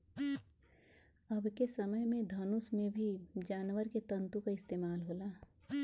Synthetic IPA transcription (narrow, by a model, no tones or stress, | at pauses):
əbʱkesəməjmẽd̪ʱɐnʊsmẽbʱid͡ʒaːnwəɾket̪ə̃nt̪ũkaɪst̪eːmaːlɦoːlaː